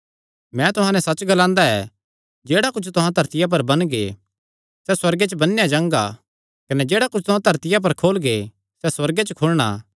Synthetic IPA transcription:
mɛ̃ːt̪ʊɦãnɛsɐt͡ʃːɡɐlãːnd̪aɛ̰ | d͡ʒeːɽakʊt͡ʃʰt̪ʊɦãt̪ɐɾt̪ɪjap̬ɐɾbɐnɡḛ | sɛswɐɾɡet͡ʃbɐnːejad͡ʒãːŋɡa̰ | kɐnɛd͡ʒeːɽakʊt͡ʃʰt̪ʊɦãt̪ɐɾt̪ɪjap̬ɐɾkʰoːlɡe | sɛswɐɾɡet͡ʃəkʰʊlɽ̃a̰ː

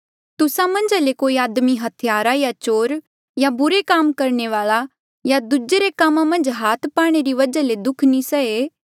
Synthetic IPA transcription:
t̪ʊsãmɐ̃nd͡ʒalekoːiaːd̪miɦɐt̪ʰɪjaːɾajat͡ʃoːɾ | jabʊɾekaːmkɐɾɳ̃eʋaːɭa | jad̪ʊd͡ʒeɾekamãmɐ̃nd͡ʒɦaːt̪ʰpaːɽ̃eɾiʋɐd͡ʒaled̪ʊkʰnisɐeː

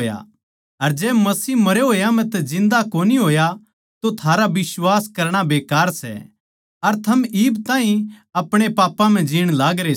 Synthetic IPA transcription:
ja̰ | ɐɾd͡ʒɛːmɐsiːmɐɾeɦoːjam̤ɛ̃t̪ɛd͡ʒɪ̃nd̪akoːniɦoːja | t̪ot̪ʰaːɾabɪswaːskɐɾɽ̃abeːkaːɾsɛ̰ | ɐɾt̪ʰɐmiːbt̪ãːɦĩɐpɽ̃epaːpːãm̤ɛ̃d͡ʒiːɽ̃laːɡɾe

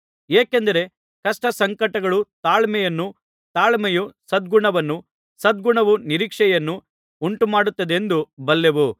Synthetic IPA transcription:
eːkend̪ɐɾe̞ | kɐʂʈɐsɐŋkɐʈɐɡɐɭut̪aːɭmɛjɐnːu | t̪aːɭmɛjusɐd̪̚ɡuɳɐʋɐnːu | sɐd̪̚ɡuɳɐʋuniɾiːkʂɛjɐnːu | uɳʈumaːɽut̪ːɐd̪e̞nd̪ubɐlːeʋu

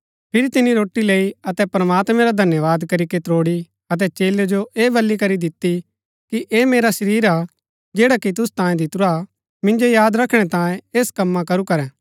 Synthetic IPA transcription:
pʰɪɾit̪ɪniɾoːʈːileːiɐt̪ɛpɾɐmaːt̪mɛ̃ɾad̪ʱɐnjəʋaːd̪kɐɾiket̪ɾoːɽi | ɐt̪̬ɛt͡ʃeːljod͡ʒoʔeːbɐlːikɐɾid̪ɪt̪ːi | kiʔeːmeːɾasɐɾiːɾa | d͡ʒeːɽakit̪̬ʊst̪ãːjẽd̪ɪt̪uɾa | mɪ̃nd͡ʒojaːd̪ɾɐkʰɽ̃ɛt̪ãːjẽeːskɐmːãkɐɾukɐɾɛ̃ː

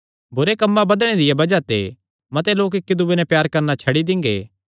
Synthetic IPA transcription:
bʊɾekɐmːabɐd̪ɽ̃ed̪ɪjabɐd͡ʒat̪ḛ | mɐt̪eloːk̬ɪkːid̪ʊbenɛpjaːɾkɐɾnat͡ʃʰɐɽid̪ɪ̃ŋɡḛː

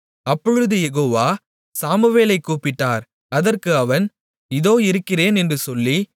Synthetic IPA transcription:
ɐpːɔɻɯðɯjɛɣoːʋaː | saːmɯʋeːlɐɪkːuːpɪʈːaːɾ | ɐðɐrkɯɐʋɐn | ɪðoːɪɾɯkːɪreːnɛndrɯsɔlːi

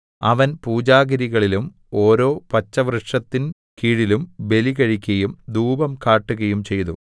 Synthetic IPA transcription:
ɐʋɐnpuːd͡ʑaːɡɐɾiɣɐɭilum | o̞ːɾo̞ːpɐt͡ɕːɐʋrɨʂɐt̪ːin | kiːɻilumbe̞liɣɐɻikʲːɐjumd̪uːbɐmkaːʈːuɣɐjumt͡ɕe̞jt̪ṵ

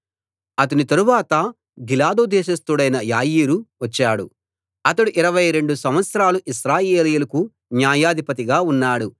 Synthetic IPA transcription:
ɐt̪̬ɐnit̪ɐɾuʋaːt̪ɐ | ɡilaːd̪oːd̪ɛːʃɐst̪uɽɐjnɐjaːjiːɾuʋɐt͡ʃːaːɽṵ | ɐt̪ɐɽuʔiɾɐʋɐjɾe̞ɳɖusɐmʋɐt̪sɐɾaːluʔiʃɾaːjeːlijulɐku | njaːjaːd̪ʱipɐt̪iɡaːunːaːɽu

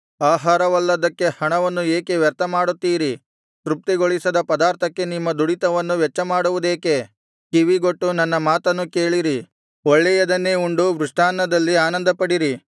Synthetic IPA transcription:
aːɦaːɾɐʋɐlːɐd̪ɐkːe̞hɐɳɐʋɐnːueːke̞ʋjɐɾt̪ɐmaːɽut̪ːiːɾi | ʃɾup̚t̪iɡoɭisɐd̪ɐpɐd̪aːɾt̪ʰɐkːe̞nimːɐd̪uɽit̪ɐʋɐnːuʋɛt͡ʃːɐmaːɽuʋud̪eːke̞ | kiʋiɡoʈːunɐnːɐmaːt̪ɐnːukeːɭiɾi | ɔɭːɛjɐd̪ɐnːeːuɳɖuʋɾuʂʈʰaːnːɐd̪ɐlːiaːnɐnd̪ɐpɐɽiɾi

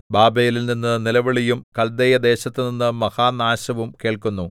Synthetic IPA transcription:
baːbɐjililninːɨnilɐʋɐɭijumkɐld̪ejɐd̪e̞ːɕɐt̪ːɨninːɨmɐhaːnaːɕɐʋumke̞ːɭkunːu

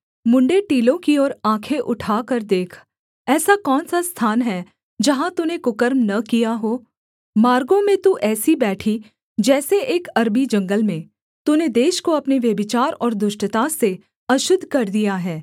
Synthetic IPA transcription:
mʊ̃ɳɖeʈiːlõkiɔːɾãːkʰeʔʊʈʰaːkəɾd̪eːkʰ | ɛːsakɔːnsast̪ʰaːnɦɛ | d͡ʒɐɦãt̪unekʊkəɾmnɐkijaɦoː | maːɾɡõmẽt̪uʔɛːsibɛːʈʰi | d͡ʒɛːseʔeːkɐɾbid͡ʒɐ̃ŋɡəlmẽ | t̪uned̪eːʃkoɐpneʋjɐbɪt͡ʃaːɾɔːɾd̪ʊʃʈət̪ase | ɐʃʊd̪ʱkɐɾd̪ijaɦɛː

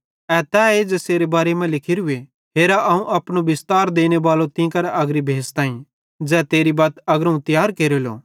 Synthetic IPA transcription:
ɛt̪ɛːed͡zɛseːɾebaːɾemɛ̃lɪkʰiɾɦʊe | ɦeːɾaʔɐũʔɐpɽ̃obɪst̪aːɾd̪eːñebaːlot̪ɪ̃ːkɐɾɐɡɾibʱeːst̪aːĩ | d͡zɛːt̪eːɾibaːt̪ɐɡɾəũt̪ɪjaːɾkeːɾelo̰ː

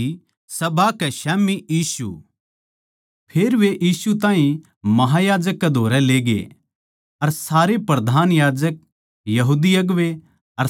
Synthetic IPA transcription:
sɐbʱakɛʃɛːmijiːsṵ | pʰeːɾʋeʔjiːsut̪ãːĩ | mɐɦajaːd͡ʒəkːed̪ʱoːɾɛleːɡḛ | ɐɾsaːɾepɾɐd̪ʱaːnjaːd͡ʒək̚ | jɐɦuːd̪ijɐɡʋe | ɐɾ

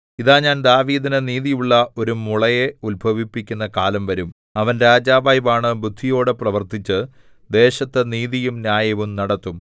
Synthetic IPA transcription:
iðaːɲaːnd̪aːʋiːðinɐniːðijuɭːɐo̞ɾumuɭɐje̞ulbʱɐʋipːikʲːunːɐkaːlɐmʋɐɾum | ɐʋɐnɾaːd͡ʑaːʋaːjbaːɳɨbud̪ʱːijo̞ːɽɨprɐʋɐrt̪it͡ɕːɨ | d̪e̞ːɕɐt̪ːeniːðijumnjaːjɐʋumnɐɽɐt̪ːum

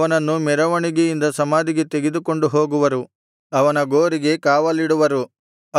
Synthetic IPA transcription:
ɐnɐnːumɛɾɐʋɐɳiɡejind̪ɐsɐmaːd̪iɡe̞t̪eɡed̪uko̞ɳɖuɦoːɡuʋɐɾu | ɐʋɐnɐɡoːɾiɡe̞kaːʋɐliɽuʋɐɾu

